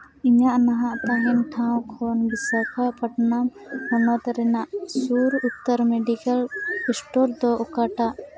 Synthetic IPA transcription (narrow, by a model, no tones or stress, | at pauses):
iɲaʔnaɦãʔt̪aɦɛnʈʰãw̃kʰɔnbisakʰapəʈnapɔnɔt̪ɾɛnaʔsuɾut̪ːəɾmeɖikəlpisʈɔɾd̪ɔɔkaʈaʔ